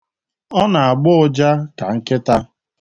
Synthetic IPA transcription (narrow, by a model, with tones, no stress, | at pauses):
ɔ˦na˨a˨ɡ͡bʊ˦ʊ˦d͡ʒa˦ka˨ŋ̩˦kɪ˦ta˦